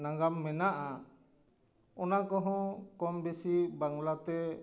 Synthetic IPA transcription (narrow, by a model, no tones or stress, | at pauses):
naŋɡamːɛnaʔa | ɔnakɔɦɔ̃kɔmbesibaŋlat̪ɛ